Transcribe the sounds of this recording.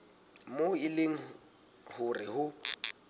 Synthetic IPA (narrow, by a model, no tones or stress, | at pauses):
moɪleŋ̩ | hʊrɪhʊ